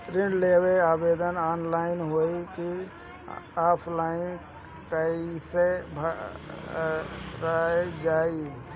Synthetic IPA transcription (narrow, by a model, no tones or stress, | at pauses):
ɾiɳɖlebeabed̪ənanlaɪnɦojki | apʰlain | kaisebʱa | ɾaejd͡ʒai